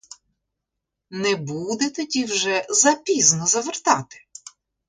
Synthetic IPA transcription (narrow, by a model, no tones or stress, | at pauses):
nɛbud̪ɛt̪ɔdʲiwʒɛzɐpʲiznɔzɐʋert̪ɑt̪ɪ̥